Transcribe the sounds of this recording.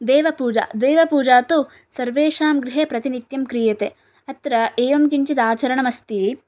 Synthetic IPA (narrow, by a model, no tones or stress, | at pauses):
d̪ɛːʋɐpuːd͡ʒa̰ːd̪ɛːʋɐpuːd͡ʒaːt̪u | sɐɾʋeːʃaːmɡɾɪɦeːpɾɐt̪init̪jɐmkɾijɐt̪e | ɐt̪ɾɐeːʋɐmkiɲt͡ʃid̪aːt͡ʃɐɾɐɳɐmɐst̪i